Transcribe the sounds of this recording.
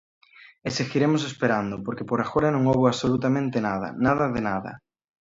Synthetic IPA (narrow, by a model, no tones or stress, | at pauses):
eseɣiɾemʊs̬espeɾand̪ʊpoɾkepoɾaxoɾanõŋoβoaβsolut̪amẽnt̪enað̞ɐ̰naðɐðenaðɐ̰